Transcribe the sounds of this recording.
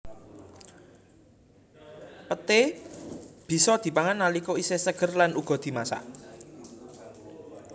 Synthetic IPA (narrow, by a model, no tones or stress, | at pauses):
pət̪e | b̥i̤sɔd̪̥i̤paŋanːalikoisesəɡ̥ərlanuɡ̥ɔ̤d̪̥i̤masa̰ʔ